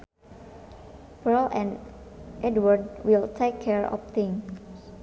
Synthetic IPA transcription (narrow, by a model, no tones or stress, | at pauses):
b̥əɹlʔɛ̰̃nʔɛdwəɹdwiltʰekʰːɛɹɔ̰ft̪ɪ̃ŋ